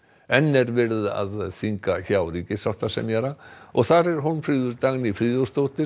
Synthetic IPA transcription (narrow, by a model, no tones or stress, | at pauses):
ɛnːɛɾvɛɾða̰ðθiŋkaçaːwɾiːcɪsaht̪asɛ̰mjɛɾaɔɣθaɾɛɾ̥ɦunfɾiːðʏɾt̪aɣnifɾiːðɔst̪owt̪ɪ